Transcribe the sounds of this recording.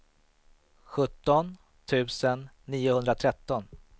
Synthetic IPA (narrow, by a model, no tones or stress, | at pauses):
ɧɵt̪ːɔn | t̪ʰʉ̟ːsənːiːʊhɵnd̪ɾat̪ʰɾɛt̪ːɔn